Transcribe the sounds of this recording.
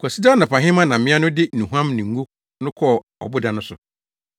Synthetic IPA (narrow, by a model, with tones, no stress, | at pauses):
kʰɔ˨si˦da˦nã˨pã˨ɦɪ̃˦mã˦nã˨m̩mɪ̃˦a˦nʊ̃˦dɪ˦nũ˨ɦã˦mnĩ˨ŋ˦ɡu˦ | nʊ̃˦kʰɔ˦˨ | ɔ̰˨bʊ˦dã˨nʊ̃˦sʊ˨